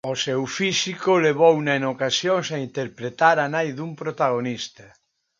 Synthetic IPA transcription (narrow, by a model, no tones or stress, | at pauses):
osewfisikoleβ̞ownaenokasjoŋsaint̪eɾpɾet̪aɾanajðumpɾot̪aɣ̞onist̪a